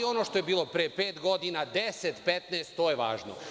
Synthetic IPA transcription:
io̞noʃt̪o̞jebiːlˠo̞pɾepeːt̪ɡo̞d̪inad̪eset̪pet̪neest̪ːoːjeʋa̰ːʒno̰

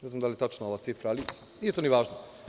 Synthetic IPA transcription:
neznamd̪aljet̪at͡ʃnooʋaːt̪sifɾaali | nijet̪oniʋaːʒno

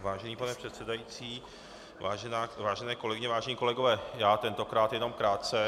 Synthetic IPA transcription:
vaːʒɛniːpanɛpr̝̥ɛt̪sɛdajiːt͡siː | aːʒɛnaːvaːʒɛnɛːkolɛɡɪɲɛvaːʒɛnɲiːko̞lɛɡovɛːjaːt̪ɛnt̪o̞kɾaːt̪jɛno̞mkɾaːt̪̚t͡sɛ

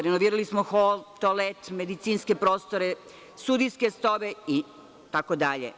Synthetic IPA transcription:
ɾenoʋiːɾalismoxolt̪olet̪me̞d̪it̪siːnske̞pɾoːst̪oɾe | st̪ud̪ijskest̪oʋei | t̪akod̪aʎḛ

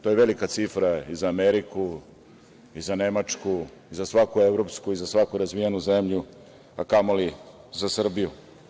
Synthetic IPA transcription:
t̪o̞jeʋe̞likat̪sifɾaizaːmeɾiku | izane̞mat͡ʂku | izasʋakuevɾo̞pskuizasʋakuɾazʋijanuzemʎu | akamolizasr̩biju

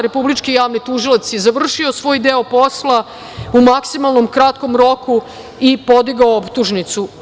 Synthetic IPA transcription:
ɾe̞publit͡ʃkijaːʋnit̪uʒilat̪sjezaʋr̩ʃiosʋo̞ːjd̪eo̞po̞slˠa | umaksimalˠno̞mkɾat̪ko̞mɾo̞ku | ipo̞d̪iɡaoopt̪uʒnit̪su

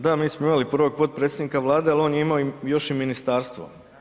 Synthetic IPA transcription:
d̪amiːsmoimalipr̩ʋo̞ɡ̚po̞t̪̚pɾet̪ed̪nikaʋlˠaːd̪ealo̞ːnjeimaoijo̞ʃiminist̪aːɾst̪ʋo̰

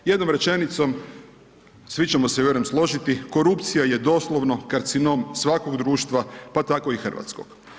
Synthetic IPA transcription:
je̞d̪nomɾe̞t͡ʃe̞nit̪so̞m | sʋit͡ʃemo̞sejoɾemslˠo̞ʒit̪iko̞ɾupt̪sijaje̞d̪o̞slˠoʋnokaɾt̪sino̞msʋako̞ɡd̪ɾuːʃt̪ʋapat̪ako̞ixr̩ʋa̰t̪sko̰ɡ̥

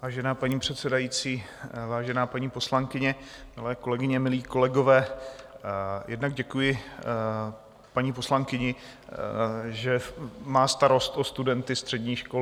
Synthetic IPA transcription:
vaːʒɛnaːpaɲiːpr̝̥ɛt̪sɛdajiːt͡siː | vaːʒɛnaːpaɲiːpo̞slaŋkɪɲɛmɪlɛːko̞lɛɡɪɲɛmɪliːko̞lɛɡo̞vɛː | jʔɛdnaɡɟɛkujɪ | paɲiːpo̞slaŋkɪɲɪ | ʒɛmaːst̪aɾo̞st̪ost̪udɛnt̪ɪst̪r̥ɛdɲiːʃkol

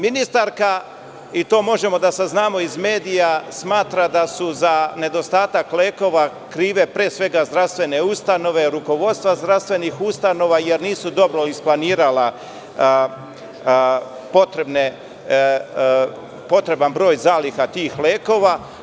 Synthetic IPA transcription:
minist̪aɾka | it̪o̞ːmo̞ʒe̞mo̞d̪asaznaːmo̞izme̞ːd̪ijasmaːt̪ɾad̪asuzane̞d̪o̞st̪aːt̪akleːko̞ʋa | kɾiːʋe̞pɾeːsʋe̞ɡazd̪ɾast̪ʋe̞ne̞ust̪ano̞ʋe̞ɾuko̞ʋo̞d̪st̪ʋazd̪ɾast̪ʋe̞nixust̪ano̞ʋaje̞ɾniːsud̪o̞bɾoisplˠaniːɾala | po̞t̪ɾebne | po̞t̪ɾe̞banbɾo̞ːjzaːlixat̪iːxleːko̞ːʋa

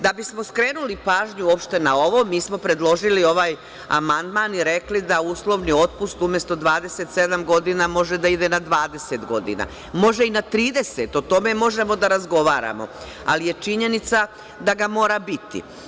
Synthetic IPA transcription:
d̪abismo̞skɾeːnulipaːʒɲuopʃt̪e̞nao̞ʋo̞miːsmo̞pɾe̞d̪lˠo̞ʒilio̞ʋaːj | a̰mand̪maːniɾe̞klid̪auːslˠo̞ʋnio̞t̪̚pust̪umje̞st̪o̞d̪ʋaːd̪ese̞t̪se̞d̪amɡo̞d̪inamo̞ʒed̪aid̪e̞nad̪ʋaːd̪e̞se̞t̪ɡo̞d̪ḭna̰ | mo̞ʒeinat̪ɾiːd̪e̞set̪o̞t̪o̞me̞mo̞ʒe̞mo̞d̪aɾazɡo̞ʋaːɾa̰mo̞̰ | a̰lije̞t͡ʃiɲe̞nit̪sa | d̪aɡamo̞ːɾabit̪ḭ

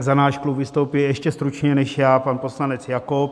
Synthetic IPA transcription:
zanaːʃklubvɪst̪owpɪlʔɛʃcɛst̪ɾut͡ʃɲɛnɛʃjaːpanposlanɛt͡sjakop

